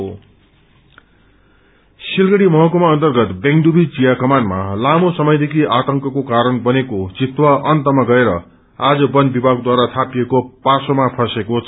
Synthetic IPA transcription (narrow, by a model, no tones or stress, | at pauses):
silɡʌɽimʌɦʌkomaʌnt̪ʌrɡʌt̪beŋɡɖubit͡sijakʌmanma̰lamosʌmʌjd̪ekʰiat̪ʌŋkʌkokaɾʌnbʌnekot͡sit̪waʔʌnt̪ʌmaɡʌeɾʌ | ad͡zʌbʌnbibʱaɡ̚d̪waɾat̪ʰapijekopasomapʰʌsekot͡sʰ